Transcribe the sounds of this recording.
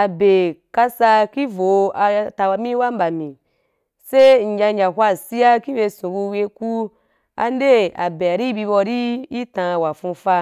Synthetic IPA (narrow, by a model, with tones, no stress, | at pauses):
a˨be˨ka˧sa˧ki˦vo˨˧a˧ta˧wa˧mĩ˦wa˦m˦ba˨mĩ˨ | se˦n̩˨ja˧ɲa˨ɦʷa˦˨si˦ja˦ki˦be˧sũ˨ku˧we˧ku˦ | a̰˧n˦de˦a˨be˨a˨ɾi˦bi˧bɔ˧ɾi˦i˦tã˧wa˨fũ˧fa˧